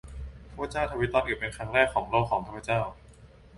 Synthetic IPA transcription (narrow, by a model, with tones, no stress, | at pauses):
t̪ʰu˥˧t͡ɕaː˥˩wt̪ʰa˧wi˦˥t̪ɔ˦˥t̪̚ʔɯː˨˩pe˧˩nkʰɾa˦˥ŋɾɛː˥˩kʰːɔː˩˦ŋloː˥˩kʰɔː˩˦ŋt̪ʰaː˥˩pʰa˧˥˩t͡ɕaː˥˩w